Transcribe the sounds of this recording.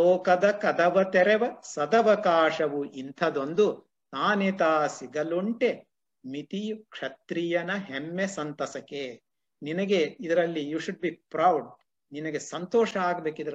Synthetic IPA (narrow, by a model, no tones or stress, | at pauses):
oɔːkɐd̪ɐkɐd̪ɐʋɐt̪ɛɾeʋɐsɐd̪ɐʋɐkaːʂɐʋuʔint̪ʰɐd̪ond̪u | t̪aːnet̪aːsiɡɐluɳʈe | mit̪iukʂɐt̪ɾijɐnɐɦemːesɐnt̪ɐsɐke | ninɐɡeid̪ɐɾɐlːijuːʃuɖ̚biːpɾɐwɖ | ninɐɡesɐnt̪ɔːʂɐaːɡɐbeːkid̪ɐɾ